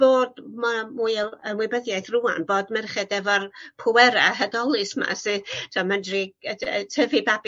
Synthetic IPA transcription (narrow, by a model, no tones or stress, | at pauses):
b̥oːdmamujənwɪbəðjajθrua̰nboːdmɛrχɛdɛvɔrpʰʊwɛɾaɦədɔlˠɨsma̰sɨtʰaməndriətʰəvɨbab